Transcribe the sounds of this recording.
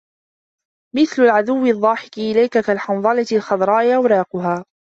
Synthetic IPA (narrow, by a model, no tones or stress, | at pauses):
mɪθlʊlʕaðʊwːɪðˤːɑːħɪkɪʔɪlajkakalħɑnðˤɑlatɪlxɑðˤɾˤɑːʔɪʔawɾɑːqʊɦaː